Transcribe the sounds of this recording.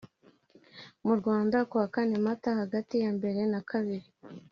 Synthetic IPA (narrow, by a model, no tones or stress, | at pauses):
muɾɡwaːndakuakane̞matahaɡatijambe̞ɾe̞nakʰaβiɾi